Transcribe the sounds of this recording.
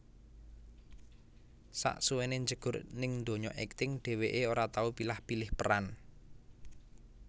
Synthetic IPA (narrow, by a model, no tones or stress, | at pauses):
sa̰ʔsuweneɲd͡ʒəɡ̥ʊ̤rnɪŋnd̪o̤ɲɔ̰ʔɛk̚t̪ɪŋɖ̥e̤weʔeoɾat̪aupilahpilɪhpəɾan